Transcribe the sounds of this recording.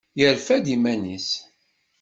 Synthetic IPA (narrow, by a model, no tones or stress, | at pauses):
jəɾfæd̪imænis